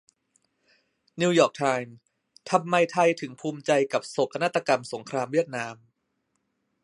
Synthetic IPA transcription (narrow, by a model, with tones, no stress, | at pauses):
ni˧wjɔː˨˩k̚t̪ʰaː˧jm | t̪ʰa˧mːa˧jt̪ʰa˧jt̪ʰɯ˩˦ŋpʰuː˧mt͡ɕa˧jka˨˩p̚so˨˩kʰa˧naː˦˥˩t̪ːa˧ka˧mso˩˦ŋkʰɾaː˧mwi˥˩ət̪̚naː˧m